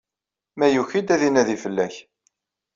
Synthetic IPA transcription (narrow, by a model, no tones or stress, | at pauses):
mæjuçid̪æðinæðifəlːæç